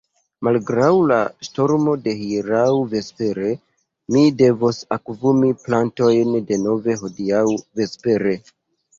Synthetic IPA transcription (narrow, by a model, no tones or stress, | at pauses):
malɡɾawlaʃto̞ɾmo̞de̞hiɾawve̞spe̞ɾe̞ | mide̞vosakvumiplanto̞jnde̞no̞ve̞ɦo̞diawve̞spe̞ɾe̞